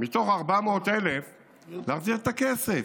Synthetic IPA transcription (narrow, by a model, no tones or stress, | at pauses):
mit̪o̞χaʁbamo̞ːt̪elef | leaːχziʁet̪akesef